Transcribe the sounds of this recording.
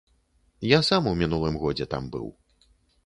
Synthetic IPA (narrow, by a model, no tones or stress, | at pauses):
jasamuwmʲinulˠɨmɣɔd͡zʲɛt̪a̰mbɨ̰w